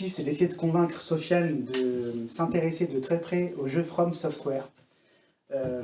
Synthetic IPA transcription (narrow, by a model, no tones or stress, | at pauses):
ifsɛd̪esejed̪əkɔ̃vɛ̃kχsɔfjald̪əsɛ̃t̪eʁesed̪ət̪χɛpχɛoʒøfχɔmsɔft̪wɛʁ | ø